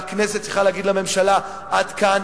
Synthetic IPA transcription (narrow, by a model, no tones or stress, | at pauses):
kneset̪siχalaɡid̪lame̞mʃala | ʔad̪kan